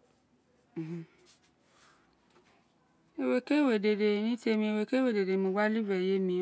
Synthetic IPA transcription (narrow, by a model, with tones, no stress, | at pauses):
e˧we˧ke˦˨we˨de˨de˨nĩ˦ti˦e˧mĩ˧e˧we˨˧ke˦we˦˨de˨de˨mõ˧ɡ͡ba˦li˦bɾɛ˦˨je˨˦mĩ˧